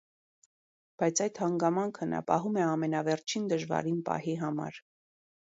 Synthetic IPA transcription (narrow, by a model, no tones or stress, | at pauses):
b̥ɑjt͡sʰɑjt̪hɑŋɡɑmɑŋkʰənɑ̰pɑɦumɛɑmɛnɑvɛɾt͡ʃʰind̪əʒvɑ̰ɾinpɑ̰hiɦɑmɑ̰ɾ